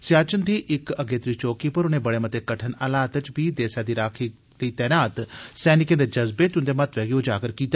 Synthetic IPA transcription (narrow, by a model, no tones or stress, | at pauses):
sjaːt͡ʃənd̪iːʔɪkəɡeːt̪ɾiːt͡ʃoːkiːpəɾʊneːbəɽeːmət̪ekəʈʰənaːlaːt̪ət͡ʃbiːd̪eːsaːd̪iːɾaːkʰi | ləiːt̪ɛːnaːt̪sɛːnɪkẽːd̪eːd͡ʒəzbeːt̪ʊnd̪eːmət̪ʋɛːɡiod͡ʒaːɡəɾkiːt̪a